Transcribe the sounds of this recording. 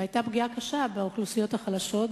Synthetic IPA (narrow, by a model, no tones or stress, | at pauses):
ajtabɡiakaʃabeoχlusijo̞thaχalaʃo̞t